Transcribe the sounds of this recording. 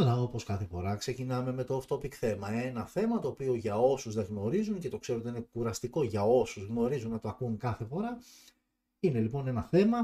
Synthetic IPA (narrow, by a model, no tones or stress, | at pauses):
ɐlɐo̞po̞skɐθe̞fo̞ɾɐkse̞cinɐme̞me̞t̪o̞ːft̪o̞pikθe̞mɐenɐθe̞mɐt̪o̞ːpioʝɐo̞suzðeɣno̞ɾizunce̞t̪o̞kseɾot̪inekuɾɐst̪iko̞ʝɐo̞suzɣno̞ɾizunɐt̪oɐkuŋkɐθe̞fo̞ɾɐ | ine̞lipo̞ne̞nɐθe̞mɐ